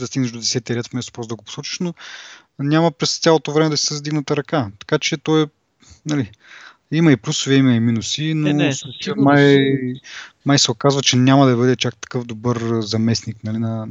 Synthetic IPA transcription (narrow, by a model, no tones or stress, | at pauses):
d̪ɐst̪iɡnəʃʒd̪od̪ɛsɛt̪əɾɛt̪fmɛst̪o̥pɾɔzd̪ɐɡopo̥sɔt͡ʃi̥ʃno | nʲamɐpɾɛst̪sʲjalˠot̪ovɾɛmɛd̪ɐsi̥sɐzd̪iɡnɐt̪ɐɾɐkat̪ɐ̥kat͡ʃɛt̪ɔɛ | nɐli | imɐiplʲusoviimɐiminusinost͡ʃmaj | majsɛokazvɐt͡ʃɛnʲamɐd̪ɐbɤd̪ɛt͡ʃak̚t̪ɐ̥kɤfd̪obɤɾzɐmɛsniknɐlinɐ